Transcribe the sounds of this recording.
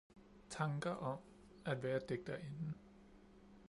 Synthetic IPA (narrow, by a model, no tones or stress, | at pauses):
t͡sʰɑ̈ŋɡ̥ɐʔɒ̽m | æd̥ʋæːɐd̥eɡ̥̚d̥ɐʔe̝nn̩